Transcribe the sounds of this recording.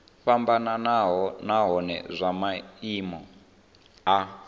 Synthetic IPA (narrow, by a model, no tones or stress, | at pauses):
ɸambananaɦɔnaɦɔnɛ̰zʷamaimɔ | a